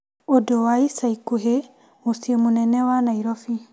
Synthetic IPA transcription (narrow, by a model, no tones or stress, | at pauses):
ɔdɔwajsajkuɦe | musiemunɛnɛwanaiɾɔfi